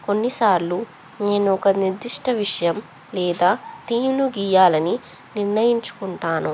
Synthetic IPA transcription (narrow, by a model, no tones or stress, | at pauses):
ko̞nːisaːɾlu | ne̞ːnuɔkɐniɾd̪iʂʈʰɐʋiʂɐjɐm | lɛːd̪aːt̪iːmluɡiːjaːlɐni | niɾnɐjiɲt͡ʃu̥kuɳʈaːnu